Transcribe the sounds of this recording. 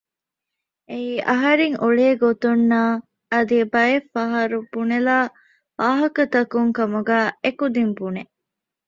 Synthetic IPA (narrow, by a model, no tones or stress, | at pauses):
eiːʔɐ̰ɦɐɾeŋʔuɭeːɡot̪unːaː | ɐd̪iebɐefɐɦɐɾub̥unelaː | ʋaːɦɐkɐt̪ɐkuŋkɐmuɡæːekud̪imbune